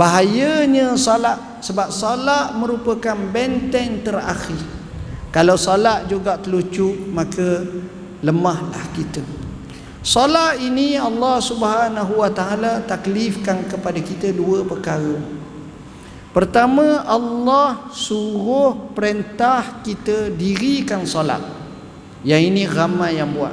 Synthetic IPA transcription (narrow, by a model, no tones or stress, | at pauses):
baɦajəɲə̃sɔlaʔ | səbap̚solaʔmə̃ɾupəkanbɛnt̪ɛnt̪əra̰xir | kalawsɔlaʔd͡ʒuɡaʔt̪əlut͡ʃuʔmakə | ləmahlahkit̪ə | solaʔiniɑlːɑhsubɦanaɦuwat̪aalat̪aklifkankəpadakit̪əduəpəkaɾə | pərt̪amə̃ʔɑlːɑhsuɾʊhpəɾent̪ahkit̪ədiɾikansola̰ʔ̪̚ | jainĩɣamajjaŋbua̰ʔ